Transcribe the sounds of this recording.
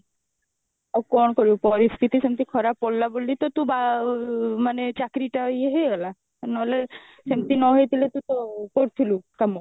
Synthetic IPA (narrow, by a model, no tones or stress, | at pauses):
akɔnkoɾipɔɾiskit̪iʃemt̪ikʰɔɾapːolːabolːit̪ot̪ũba | manet͡ɕakɾiʈaɦojeɦojɡɛla | nɦle | semt̪inɔɦoet̪ʰilet̪ũt̪okoɾt̪ʰilukamo